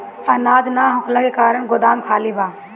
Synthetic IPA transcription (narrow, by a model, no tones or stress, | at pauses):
ɐnaːd͡ʒnaːɦʊkləkekaːɾəɽ̃ɡʊd̪aːmkʰaːlibʱaː